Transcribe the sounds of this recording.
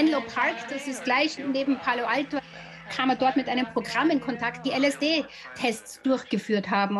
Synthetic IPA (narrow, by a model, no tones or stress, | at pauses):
ɛnlopʰaɐkd̥asɪstɡ̥laɪçneːbm̩pʰaːloʔalto | kʰaːməɐdɔɐtmɪtʔaɪnəmpʁ̥oɡʁamɪnkʰɔntʰakt̚d̥iːʔɛlɛsd̥eː | tʰɛstt͡sd̥ʊɐçɡ̥əfyːɐthaːbm̩